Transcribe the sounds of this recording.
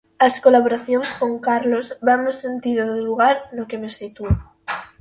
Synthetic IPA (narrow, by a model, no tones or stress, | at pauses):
askolaβ̞oɾaθjonsko̞ŋkaɾlozβanmesent̪iðoðeluɣ̞aɾnokemesit̪u